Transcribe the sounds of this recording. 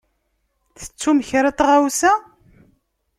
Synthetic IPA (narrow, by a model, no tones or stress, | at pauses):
θə̥t͡sːuməçɾɑt̪ˤʁawsæ